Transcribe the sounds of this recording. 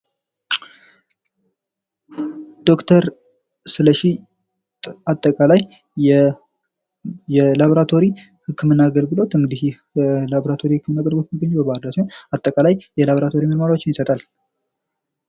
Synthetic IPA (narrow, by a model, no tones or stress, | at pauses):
d̪̥o̞kt̪ʰəɾ | sɨləʃi | t̪ʼat̪ʼːəkʼalaj | jɛlaβoɾat̪ʰo̞ɾi | hɨkʰːɨmɨnːaːɡəlɡɨlo̞t̪ɨŋɡɨd̪ih | laboɾat̪ʰo̞ɾihɨkːɨmɨnːaɡəlɡɨlot̪məɡəɲːubəbaɾlat̪nat̪ʼːəkʼalajjɛlaβoɾat̪ʰo̞ɾimənmaɾawot͡ʃːɪnjɪsət̪ʼal